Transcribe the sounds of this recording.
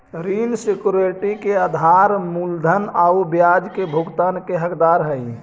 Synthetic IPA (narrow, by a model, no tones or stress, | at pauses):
ɾilsekjuɾeʈikead̪ʱaɾmuld̪ʱənaubjad͡ʒkebʱuɡt̪aːnkeɦəkd̪aɾɦəi